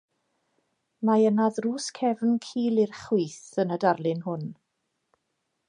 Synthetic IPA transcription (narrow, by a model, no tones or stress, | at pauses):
majənaðruːskʰɛvnkʰiːlˠirχwiːθənədarlˠɪnhʊn